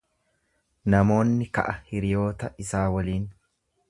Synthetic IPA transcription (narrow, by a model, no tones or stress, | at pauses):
nɐmo̞ːnːɪkɐ̰ʔɐhɪɾɪjo̞ːt̪ɐɪsaːwɐliːn